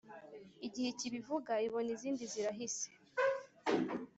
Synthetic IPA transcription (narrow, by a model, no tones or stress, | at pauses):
iɟiheciβivuɡaiβo̞niziːndiziɾaɦise̥